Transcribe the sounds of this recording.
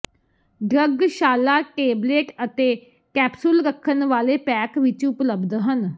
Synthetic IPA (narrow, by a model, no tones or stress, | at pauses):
ɖɾəɡʃaːlaːʈeːbleːʈət̪eː | kɛːpsʊlɾəkʰːənʋaːleːpɛːkʋɪt͡ʃʊpləbd̪ɦən